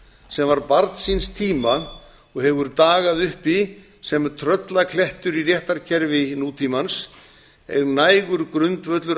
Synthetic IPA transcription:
sɛmvaɾpaɾt̪sinst̪ʰiːma | ɔɣhɛvʏɾt̪aːɣaðʏhpi | sɛmt̪ʰɾœt̪lakʰlɛht̪ʏɾirjɛht̪aɾ̥cʰɛɾvɪnuːt̪ʰimans | ɛ̰ɣnaːjɣʏɾkɾʏnt̪vœt̪lʏɾ

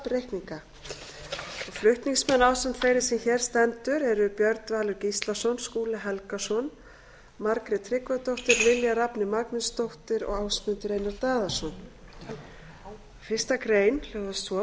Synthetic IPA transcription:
pɾejhkniŋka | ɔɣflʏht̪niŋsmɛnːaːwsɛnt̪fejɾɪ̥sɛmçɛːɾ̥st̪ɛnt̪ʏɾɛɾʏpjœɾt̪vaːlʏɾcist̪lasɔnskuːlɪɦɛlkasɔn | maɾkɾɪt̪ʰɾɪkvat̪owht̪ɪɾvɪljarapnɪmaknɪnst̪owht̪ɪɾɔ̰ɣaːwsmʏnt̪ɪɾejnaɾt̪aːðḁsɔn | fɪr̥st̪akɾeːjnlœɣvast̪vɔ

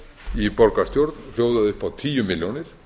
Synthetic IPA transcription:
ipɔɾkast̪jowɾt̪nl̥joːwðaðʏhpawt̪ʰiːjʏmɪljownɪɾ̥

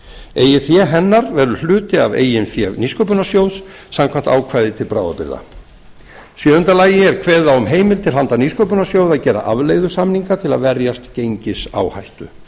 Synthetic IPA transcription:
eːjɪθjɛɦɛnːaɾvɛɾðʏɾlʏːt̪ɪa̰vḛːjɪnfjɛvniskowp̬ʏnasjows | samkʰvamn̥t̪aːwkʰvajðɪt̪ʰɪlpɾaːwða̰pɪ̰ɾða̰ | sjœːðʏnt̪alaːjɪɛɾ̥kʰvɛːðawʏmɦeːjmɪlt̪ʰɪlɦant̪aniskowpʏnasjoːwðaðcɛːɾa̰ʔavlejɣðʏsamniŋkat̪ʰɪlaðvɛɾjast̪cejɲcɪsa̰ːwha̰jht̪ʏ

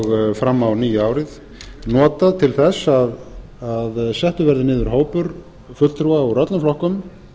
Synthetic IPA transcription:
ɣfɾamːawniːjʏaːwɾɪð | nɔːt̪aðt̪ʰɪlθɛsað | aðsɛht̪ʏvɛɾðɪnɪːðʏɾ̥ɦoːwpʏɾ | fʏt̪ʰɾuːaɔɾœt̪lʏflɔhkʏm

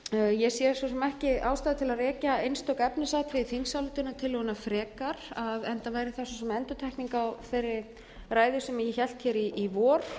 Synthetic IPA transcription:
jɛsjɛsɔs̬ɔmɛhcɪaːwst̪aːðɪt̪ʰɪlaðrɛːcaejnst̪ɔkɛpnɪsat̪ʰvɪθiŋsawlt̪ʏnat̪ʰɪlɔɣʏnafɾɛːkaɾ̥aðɛnt̪avaːjɾɪθasɔsɔmɛnt̪ʏt̪ʰajhkniŋkawθejrːɪ | raːjðʏsɛmɛcɪçɛl̥t̪çɛɾiːvɔːɾ̥

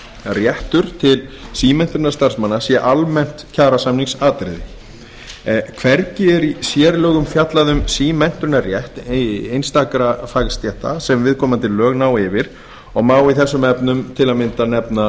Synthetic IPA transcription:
rjɛht̪ʏɾ̥t̪ʰɪlsiːmɛn̥t̪ʏɾnaɾ̥st̪ar̥smanːasjɛʔalmɛn̥t̪cʰaːɾasamniŋksaːt̪ɾɪ̰ðɪ | kʰvɛɾcɪɛɾisjɛːɾlœːɣʏmfjat̪laðʏmsiːmɛn̥t̪ʏɾnarjɛht̪ejnst̪aːkɾafaɣst̪jɛht̪a̰sɛmvɪðkʰɔːmat̪ʰɪlːœːɣnaːwɪvɪɾ̥ | ɔɣmaːwiθɛsːʏmɛpnʏmt̪ʰɪlamɪnt̪anɛpna

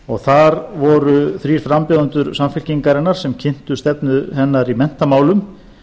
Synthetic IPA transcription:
ɔɣθaɾvɔɾʏθɾiːɾ̥fɾampjoðʏnt̪ʏɾsamfɪl̥ciŋkaɾɪnːaɾ̥sɛmcʰɪn̥t̪ʏst̪ɛpnʏɦɛnːaɾimɛn̥t̪amaːwlʏm

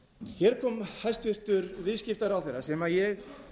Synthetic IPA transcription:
çɛɾ̥kʰɔːmhajst̪vɪr̥t̪ʏɾvɪðscɪft̪aɾawθɛjɾasɛmajɛɣ

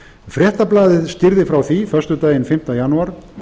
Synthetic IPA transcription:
fɾjɛht̪aplaːðɪðscɪɾðɪfɾawθifœr̥st̪ʏt̪aːjɪnfɪm̥t̪ajanuaɾ̥

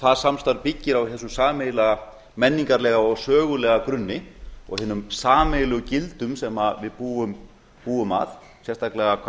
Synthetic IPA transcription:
θaðsamst̪aɾpɪcːɪɾawhɛs̬ʏsaːmɛjlɛɣa | mɛnːiŋkaɾlɛːɣaɔɣsœːɣʏlɛɣakɾʏnːɪɔ̰ɣhɪːnːʏmsaːmɛjlɛɣʏcɪlt̪ʏmsɛmavɪðpuːʏm | puːʏma̰θ | sjɛrst̪ʰaklɛɣakʰ

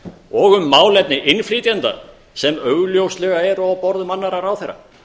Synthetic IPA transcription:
ɔɣʏmːaːwlɛt̪̚nɪʔɪnfliːt̪jant̪a̰ | sɛmœɣljowslɛɣaɛɾɔwpɔɾðʏmanːaɾaɾawθejrːa̰

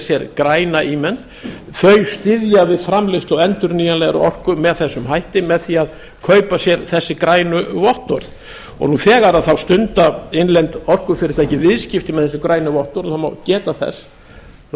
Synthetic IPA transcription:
sjɛɾkɾaːjnaʔiːmɛnt̪ | θœɥjst̪ɪðjavɪðfɾamlɪst̪lɔɣɛnt̪ʏɾniːjanlɛɣaɾʏ̰ɔ̰r̥kʏmɛðθɛsːʏmɦajht̪ɪmɛðθiað | kʰœːɥpasjɛɾθɛsːɪkɾaːjnʏvɔht̪ɔɾð | ɔ̰ɣnuθɛːɣaɾaðθawst̪ʏnt̪aɪnlɛnt̪ɔr̥kʏfɪɾɪɾ̥t̪ajcɪvɪðscɪft̪ɪmɛðθɛsːɪkɾaːjnʏvɔht̪ɔɾθawma̰wcɛːt̪aθɛ̰sː

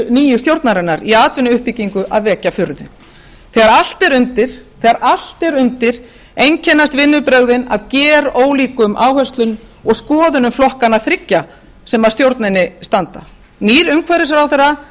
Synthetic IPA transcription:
niːjʏst̪jowɾt̪naɾɛnːaɾiaːt̪vɪnːʏʏhpicːiŋkʏʔa̰ðvɛːcafʏɾðʏ | θɛːɣaɾal̥t̪ɛɾʏnt̪ɪɾ̥θɛːɣaɾʔal̥t̪ɛɾʏnt̪ɪɾ̥ | ejɲcʰɛnːast̪vɪnːʏpɾœɣðɪna̰ðcɛːɾoːwliːkʏmʔaːwhɛst̪lʏnɔɣskɔːðʏnʏmflɔhkanaθɾɪcːa | sɛmað̥st̪jowɾt̪nɪnːɪst̪ant̪a | niːɾʏmkʰvɛɾɪsɾawθɛra

